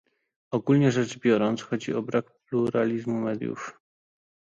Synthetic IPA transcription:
ɔɡulɲɛʐɛd͡ʐbʲjɔɾɔnt̪sxɔd͡ʑiɔbɾakpluɾalʲizmumɛd̪ʲjṵf

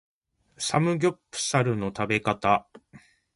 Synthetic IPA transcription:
samɯ̟ɡʲo̞pːɯ̟̥saɾɯ̟no̞t̪abe̞kat̪a

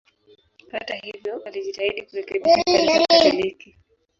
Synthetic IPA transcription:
hatahivjɔaliʄitaiɗikuɾɛkɛɓiaaaliki

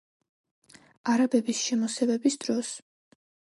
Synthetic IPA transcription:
aɾabɛbisʃɛmɔsɛvɛbisd̪̥ɾɔs

